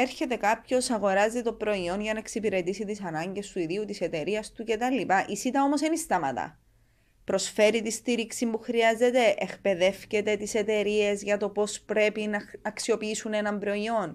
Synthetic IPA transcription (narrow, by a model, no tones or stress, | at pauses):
eɾçe̞t̪e̞kɐpço̞sɐɣo̞ɾɐzit̪o̞pɾo̞io̞nʝɐnɐe̞ksipiɾe̞t̪isit̪isɐnɐɲɟe̞st̪uiðiut̪ise̞t̪e̞ɾiɐst̪uce̞t̪ɐlːipɐʔisit̪ɐo̞mo̞senist̪ɐmɐ̰t̪ɐ̰ | pɾo̞sfe̞ɾit̪ist̪iɾiksimbuxɾiɐze̞t̪e̞ʔekpe̞ðe̞fce̞t̪e̞t̪ise̞t̪e̞ɾie̞zʝɐt̪o̞po̞spɾe̞pinɐɐksio̞piisune̞nɐmbɾo̞io̞n